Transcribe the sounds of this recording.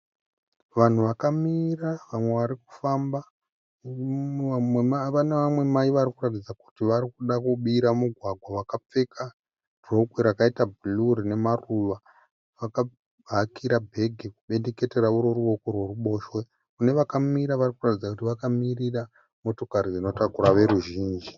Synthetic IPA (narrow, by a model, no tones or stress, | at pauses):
ʋan̤uʋakamiraʋamwe̞ʋaɾiku̥famba | neamwe̞maiʋaɾikuratid͡zaku̥tiʋarikuɗakuɓiɾamuɡʱwaɡʱwawakap͡fe̞ka | d̥rokwiɾakaitabʱuluɾine̞maruʋa | ʋaka | bʱakiɾabʱe̞ɡʱikuɓe̞ndeke̞te̞ɾauɾo̞ruʋo̞korwe̞ruɓo̞ʃwe | kune̞ʋakamiɾaʋarikuratid͡zakutiʋakamirira | mo̞to̞kaɾid͡zino̞takuɾaʋe̞ɾuʒiːnd͡ʒi